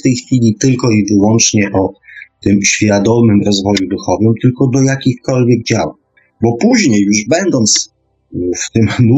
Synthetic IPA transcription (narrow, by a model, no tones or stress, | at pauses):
t̪ɛjxfʲilʲit̪ɘlkɔivɘwɔnt͡ʂɲɛʔɔt̪ɘmɕfʲjad̪ɔmɘmɾɔzvɔjud̪uxɔvɘmt̪ɘlkɔd̪ɔjakʲixkɔlvʲjɛɡ̚d͡ʑawa | bɔpuʑɲejːuʐbɛnd̪ɔnt̪s | ft̪ɘmnu